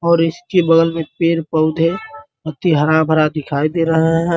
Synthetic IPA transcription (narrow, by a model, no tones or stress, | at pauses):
ɔːɾɪskebəɡəlmẽpeːɾpəʊd̪ʱe | ət̪iɦəɾãbʱəɾad̪ɪkʰaid̪eɾəɦeɦɛ̃